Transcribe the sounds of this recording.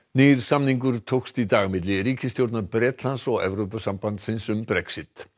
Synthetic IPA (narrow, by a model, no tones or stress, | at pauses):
neːɾ̥samniŋkʏɾt̪ʰowkst̪it̪aːɣmɪt̪lɪɾiːcɪst̪jowɾt̪naɾpɾɛːt̪lansɔɣɛ̰vɾowpasampant̪sɪnsʏmbɾɛksɪt̪